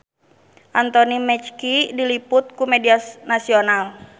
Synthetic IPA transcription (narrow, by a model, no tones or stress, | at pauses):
ʔant̪ɔnimɛt͡ʃkidiliput̪̚kumɛdianasional